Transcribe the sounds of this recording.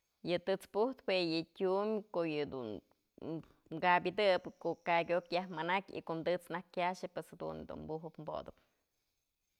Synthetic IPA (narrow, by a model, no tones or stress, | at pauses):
jɨt̪ɨt͡spuht̪pejɨtʲumkoʔjɨd̪ṵn | mɡabʲid̪ɨpɨkoʔkakʲokjahmanakʲḭkoʔmd̪ɨt͡snahkkʲjaʃɨpweshed̪ṵnd̪ṵmbuɦɨpmbo̰d̪ɨp̚